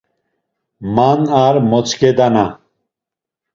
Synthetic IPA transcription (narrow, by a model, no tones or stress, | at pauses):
manaːɾmot͡sked̪ɐna